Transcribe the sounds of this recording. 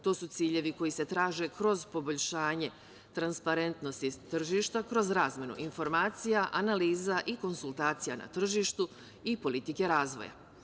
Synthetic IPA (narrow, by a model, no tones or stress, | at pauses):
t̪o̞ːsut̪siːʎe̞ʋiko̞jise̞t̪ɾaːʒe̞kɾo̞zpo̞bo̞ʎʲʃaːɲe̞ | t̪ɾanspaɾe̞nt̪no̞st̪it̪r̩ʒiːʃt̪akɾo̞zɾaːzmʲjenṵʔinfo̞ɾmaːt̪sijaʔanaliːzaʔiko̞nsulˠt̪aːt̪sijana̰t̪r̩ʒiːʃt̪u | ipo̞lit̪ike̞ɾaːzʋo̞̰ja̰